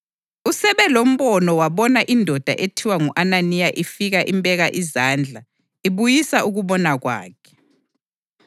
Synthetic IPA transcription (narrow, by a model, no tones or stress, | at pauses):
usɛβɛlom̩βɔnɔwaβɔnaʔindʱɔd̥ʱa̰ʔetʰiwaŋuʔananijaʔifiɣaʔḭmbʱʼɛɣaʔizaːnd͡ɮʱa | iβujisaʔuɣuβɔnaɣwa̰ːkʰɛ̥